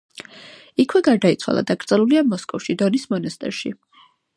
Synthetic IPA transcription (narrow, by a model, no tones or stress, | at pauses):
ikʰwɛɡaɾd̪ait̪sʰwa̰lˠa̰d̪aɡɾt̪sʼɛlˠuliamɔskʼɔfʃid̪ɔnismɔnast̪ʼɛ̰ɾʃḭ